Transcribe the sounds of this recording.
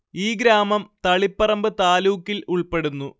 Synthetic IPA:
iːɡɾaːmɐmt̪ɐɭipːɐrɐmbɨt̪aːluːkːiluɭpe̞ɽunːu

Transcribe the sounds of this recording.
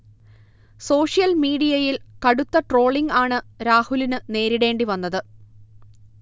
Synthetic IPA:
so̞ːʂijɐlmiːɽijɐjilkɐɽut̪ːɐʈro̞ːɭiŋɡaːɳɨɾaːhulinɨne̞ːɾiɽe̞ːɳɖiʋɐnːɐðɨ

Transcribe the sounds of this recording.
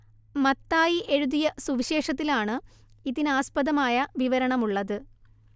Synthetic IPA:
mɐt̪ːaːjiʔe̞ɻuðijɐsuʋiɕe̞ːʂɐt̪ːilaːɳɨ | iðinaːspɐðɐmaːjɐʋiʋɐɾɐɳɐmuɭːɐðɨ

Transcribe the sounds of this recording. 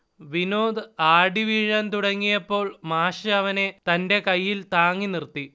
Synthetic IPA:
ʋino̞ːd̪ɨaːɖiʋiɻɐnt̪uɽɐŋːijɐpːo̞ːɭmaːʂɐɐʋɐne̞t̪ɐnde̞kɐjːilt̪aːŋːinirt̪ːi

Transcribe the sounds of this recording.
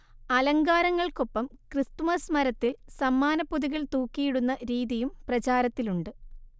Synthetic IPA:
ɐlɐŋɡaːɾɐŋːɐɭko̞pːɐmkrist̪umɐsmɐɾɐt̪ːilsɐmːaːnɐpːuðiɣiɭt̪uːkːijiɽunːɐɾiːðijumprɐt͡ɕaːɾɐt̪ːiluɳɖɨ

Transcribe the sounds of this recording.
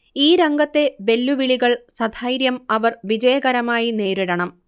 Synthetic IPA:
iːɾɐŋɡɐt̪ːe̞be̞lːuʋiɭiɣɐɭsɐd̪ʱaːjɾjɐmɐʋɐrʋid͡ʑɐjɐɣɐɾɐmaːjine̞ːɾiɽɐɳɐm

